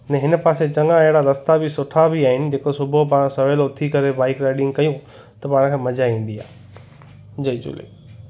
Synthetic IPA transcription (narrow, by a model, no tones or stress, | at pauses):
nɛ̃ɦɪnəpaːset͡ɕɐŋãeɦɪɽaɾɐst̪abɪsʊʈʰabiaːɦɪnɪ̆d͡ʑeːkosʊbʱop̬aːɽ̃sɐʋeːloːt̪ʰikɐɾebaːɪkɾaːɪɖɪ̃ŋɡkɐjũ | t̪ɐpaːɽ̃kʰẽːmɐd͡ʑaĩːn̆d̪iaː | d͡ʑɐit͡ɕṵːlḛː